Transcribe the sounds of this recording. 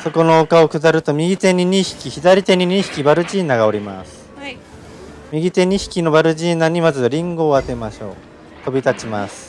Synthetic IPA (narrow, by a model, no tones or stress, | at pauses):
so̞ko̞no̞ːkao̞kɯ̟zaɾɯ̟t̪o̞mʲiɡʲit̪e̞ɲ̟ʲiɲʲiçi̥kʲiçid̪aɾʲit̪e̞ɲ̟iɲ̟ĩçi̥kʲibaɾɯ̟ʑiːnaɡaoɾʲima̰sɨ̥ | mʲiɡʲit̪e̞ɲ̟içi̥kʲino̞baɾɯ̟ʑiːnaɲ̟imazɨaɾʲĩŋɡo̞ːat̪e̞maɕo̞̰ː | t̪o̞bʲit̪at͡ɕimasɨ̥